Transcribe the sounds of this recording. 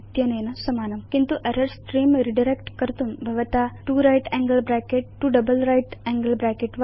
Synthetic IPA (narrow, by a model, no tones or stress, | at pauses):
t̪jɐnenɐsɐmaːnɐmkint̪uʔɐɾɐɾsʈɾimɾiɖɐɾekʈkɐɾt̪unbʱɐʋɐt̪aʈuɾajʈɛ̃ŋɡəlbɾakeʈːuɖɐbəlɾajʈɛŋɡəlbɾakeʈʋ